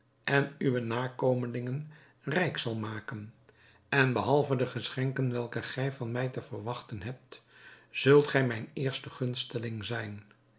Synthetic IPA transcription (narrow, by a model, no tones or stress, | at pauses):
ʔɛnyʋənaːkowməlɪŋən | rɛjksɑlˠmaːkən | ɛnbəɦɑlˠvədəχəsχɛŋkənʋɛlˠkəχɛjvɑnmɛjtəvəɹʋɑχtənɦɛp̚tz̥ɵlˠtχɛjmɛjnɪːɹstəχɵnstəlɪŋzɛjn